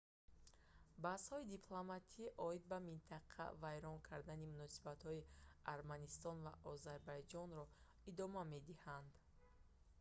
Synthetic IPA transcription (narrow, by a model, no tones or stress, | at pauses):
bashɔid̪ipʰlˠomat̪ʰiʔɔid̪̚bamint̪ʰaqʰa̰vajɾɔnkʰaɾd̪animunɔsi̥bat̪hɔiaɾmanist̪ɔnva̰ʔɔzaɾbajd͡ʒɔnɾɔ | id̪ɔmame̞d̪ihand̪